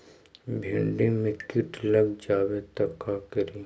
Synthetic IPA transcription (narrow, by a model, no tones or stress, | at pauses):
bʱẽɳɖimɪ̃kɪʈlɐɡd͡ʒaːwet̪ɐkakɐɾiː